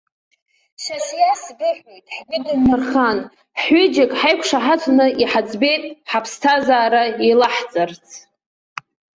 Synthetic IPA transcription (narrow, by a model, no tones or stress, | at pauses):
ʃaʒjasɡɨħejtʼħɡɨdɨnmarχan | ħʏd͡ʒakʼħajkʷʰʂaħat͡sʷʰnɨʔiħad͡zbe̞jtʼħapʰstʰazaːɾailaħt͡sʼart͡sʰ